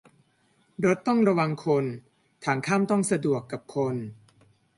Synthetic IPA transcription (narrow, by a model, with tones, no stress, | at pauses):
ɾo˦˥t̪ːɔ˥˩ŋɾa˧wa˧ŋkʰo˧n | t̪ʰaː˩˦ŋkʰaː˥˩mt̪ɔ˥˩ŋsa˧du˨˩əkːa˨˩p̚kʰo˧n